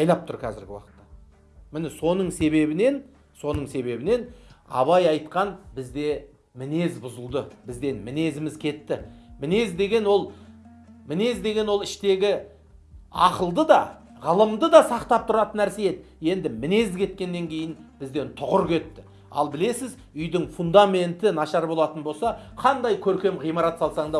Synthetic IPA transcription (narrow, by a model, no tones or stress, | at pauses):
ɑjlˠɑp̚t̪ʊɾkʲʰæzɪɾɡʲɪwɑ̰qə̥t̪ːɑ | mɪnɪso̞nəɴse̞βe̞bɪne̞n | so̞nəɴse̞βe̞bɪne̞nɑ̰βɑjɑjt̪qɑnbɪzd̪e̞ | mɪne̞zbʊzəlˠd̪əbɪzd̪e̞nmɪne̞zɪmɪzkʲʰe̞t̪ːɪmɪne̞zd̪e̞ɡʲe̞nwo̞lˠ | mɪne̞zd̪e̞ɡʲe̞nwo̞lˠɪʃt̪e̞ɡʲɪ | ɑqəlˠd̪əd̪ɑ | ʁəlˠəmd̪əd̪ɑsɑqt̪ɑp̚t̪ʰʊɾɑt̪ənːæɾseje̞t̪ɪje̞nd̪ɪmɪne̞zd̪kʲʰe̞t̪̚kʲe̞nːe̞ŋkʲʰe̞jɪnb̥ɪzd̪e̞nt̪ʰʊʁʊɾkʲʰe̞t̪ːɪ̥ | ɑ̰lˠbɪle̞sɪz | ʏjd̪ɪŋfund̪ame̞nt̪ɪnɑʃɑɾbo̞lˠɑt̪ənbo̞lˠsɑqʰɑnd̪ɑjkʲʰɵɾkʲe̞mʁijmɑɾɑt̪sɑlˠsɑɴd̪ɑ